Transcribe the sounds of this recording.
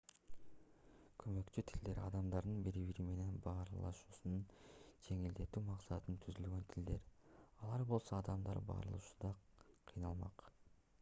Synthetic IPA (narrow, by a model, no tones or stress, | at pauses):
kʰømø̞kt͡ʃyt̪ʰild̪e̞ɾɑd̪ɑmd̪ɑɾd̪ɯnbiɾiβiɾime̞ne̞nbɑːɾlˠɑ̰ʃuːsunund͡ʒe̞ŋild̪e̞t̪yːmɑqsɑt̪ɯnt̪ʰyzylɡø̞nt̪ʰild̪e̞ɾɑlˠɑɾbo̞lˠso̞ɑd̪ɑmd̪ɑ̰ɾbɑ̰ːɾlˠuʃund̪ɑqʰɯjnɑlˠmɑ̰q